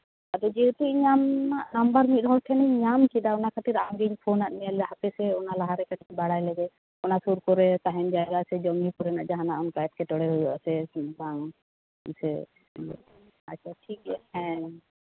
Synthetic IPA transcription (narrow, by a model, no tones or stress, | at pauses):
ad̪ɔd͡ʒɛt̪iɲamnaʔnambaɾmit̪̚ˀɦɔlʈ̪ʰɛnɛɲamkid̪aɔnakʰat̪iɾamɡiɲpʰonaʔ̪nijalɛhapɛsɛɔnalaɦaɾɛkaʈkɛbaɽajlɛɡɛ | ɔnasuɾkɔɾɛt̪aɦɛnd͡ʒaɡasɛd͡ʒɔmikuɾɛnaʔd͡ʒaɦanaʔɔnkajɛt̪̚kɛt̪ɔɽɛɦujɔʔsɛna | sɛ | at͡ʃʰaʈʰikɛhɛ̃